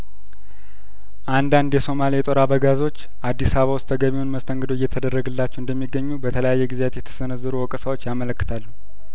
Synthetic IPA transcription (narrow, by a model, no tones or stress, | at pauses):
ʔand̪and̪jɛso̞malijɛt̪ʼoɾabəɡazo̞t͡ʃː | ʔad̪ːisaβəβawʊst̪ʰəɡəβiwonməst̪ʰəŋɡəd̪oɪjːɛt̪ʰəd̪ərːəɡɨlːat͡ʃːɛwɨnd̪əmːiɡːəɲːubət̪ʰələjajːɛɡɨzejat̪jɛt̪ʰə̥sɨnəzːɨɾuwɔkʼsəwo̞t͡ʃːjamələkːɨt̪ʰalːu